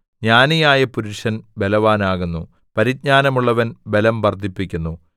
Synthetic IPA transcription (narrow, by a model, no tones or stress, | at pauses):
ɲaːnijaːjɐpuɾuʂɐnbe̞lɐʋaːnaːɣunːu | pɐɾit̪̚ɲaːnɐmuɭːɐʋɐnbe̞lɐmʋɐrd̪ʱipːikʲːunːu